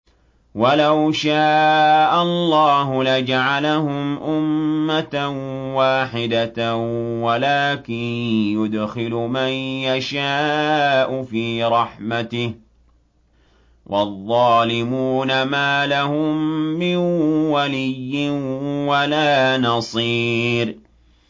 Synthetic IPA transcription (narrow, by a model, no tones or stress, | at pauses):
walawʃaːʔallːɑːɦʊlad͡ʒaʕalahʊmʔʊmːat̪anwaːħɪd̪a | walaːkɪnjʊd̪xɪlʊmanjaʃaːʔʊfiːɾˤɑħmat̪ɪh | wʔɑðˤːɑːlɪmuːnamaːlahʊmːɪnwalɪjːɪnwalaːnɑsˤiːɾ